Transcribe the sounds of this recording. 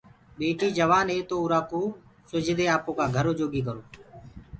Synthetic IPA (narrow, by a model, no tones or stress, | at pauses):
ɓeːʈiːd͡ʒəʋaːneːt̪oːuɾaːkoːsʊd͡ʒʱd̪eːaːpõːkaːɡʱəɾoːd͡ʒoːɡiːkəɾoː